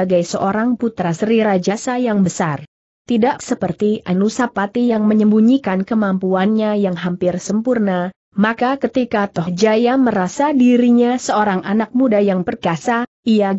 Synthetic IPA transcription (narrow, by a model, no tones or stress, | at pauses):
aɡajsəʔoɾaŋput̪ɾasəɾiɾad͡ʒasajaŋbəsar | t̪idaʔ̚səpərt̪iʔanusapat̪ijaŋməɲəmbuɲikankəmampuanɲajaŋɦampɪrsəmpurna | makakət̪ikat̪ɔhd͡ʒajaməɾasadiɾiɲasəoɾaŋanak̚mudajaŋpərɡasa | ija